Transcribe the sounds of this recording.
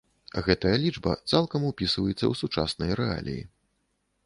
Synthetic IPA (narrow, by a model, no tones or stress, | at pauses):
ɣɛt̪ɐjɐlʲid͡ʐbɐ̰t̪salˠkɐmupʲisɨvɐjut̪sːɐ̰wsut͡ʂa̰snɐjɾɛa̰lʲḭjḭ